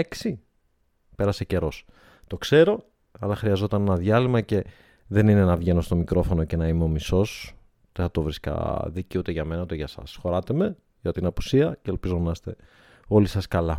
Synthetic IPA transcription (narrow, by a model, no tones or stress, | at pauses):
eksi | pe̞ɾɐsece̞ɾo̞s | t̪o̞kse̞ɾo̞ | ɐlɐxɾiɐzo̞t̪ɐne̞nɐðʝɐlimɐce̞ | ðe̞nine̞nɐvʝe̞no̞st̪o̞mikɾo̞fo̞no̞ce̞nɐimeo̞miso̞s | ut̪eθɐt̪o̞vɾiskɐ̰ðiciut̪eʝɐme̞nɐut̪eʝɐsɐ̰sxo̞ɾɐt̪e̞me̞ | ʝɐt̪inɐpu̥siɐceelpizonɐst̪e̞ | o̞lisɐskɐlɐ